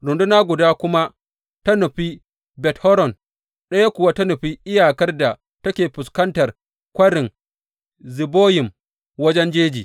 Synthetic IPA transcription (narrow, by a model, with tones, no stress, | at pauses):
ɾʊ˨ndʊ˦naː˦ɡʷʊ˨daː˦kʷʊ˦ma˦ʔ | tɐ˦nʊ˨ɸi˦ | bɛ˨thɔ˦ɾɔ˨n | ɗɐ˦ja˦kʷʊ˨wa˦tɐ˦nʊ˨ɸi˦ʔɪ˦jaː˨kɐ˦rda˨ | tɐ˦kʲeː˨ɸʊ˨skɐ˦ntɐ˨r | kʷɐ˦ɽɪ˨ŋ | zɪ˨boː˦jɪ˨m | wɐ˦d͡ʒɛ˦nd͡ʒeː˦d͡ʒiː˨